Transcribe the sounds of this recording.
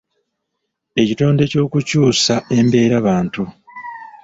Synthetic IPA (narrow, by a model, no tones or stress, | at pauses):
e̞cito̞ːnde̞co̞ːkucuːsae̞mbe̞ːɾaβaːntu